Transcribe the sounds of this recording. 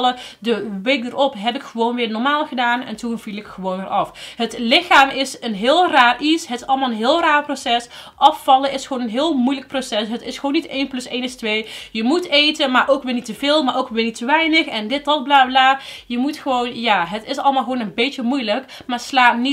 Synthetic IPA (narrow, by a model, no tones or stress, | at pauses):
lədəʋejk̚dərɔpɦɛpɪkxəʋownʋɪːɹnɔɹmaːlˠɣədaːnɛ̰ntunv̥ilˠɪkxəʋownʋɪːɹʔɑfɦətlɪxaːmɪsənɦɪːlˠraːrʔisɦətɪsɑləmaːlˠənɦɪːlˠraːrprosɛs | ʔɑffɑləɪsxəʋonənɦɪːlˠmujlək̚prosɛsɦətɪsxəʋownːitejnplɵsejnɪstʋejjəmutejtənmaːɹʔowkʋɪːɹnitəvɪːlˠmaːɹʔowkʋɪːnitʰəʋɛjnəxɛndɪt̚dɔt̚blaːblaː | jəmutχəʋownjaːɦətɪsɑlˠmalˠxʋoːnənbejtəmujlək | maːslaːtni